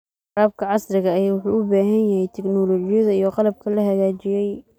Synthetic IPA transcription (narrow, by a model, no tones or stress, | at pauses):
raːb̚kʰɐʕɑsrɪɣɐːjaːwʊħuːʊbaːɦɐnjɐhɛjt̪ʰɛknɔːlɔːt͡ʃɪjɐðɐijɔqɑlɐb̚kʰɐlɐɦɐɣaːt͡ʃɪjɛj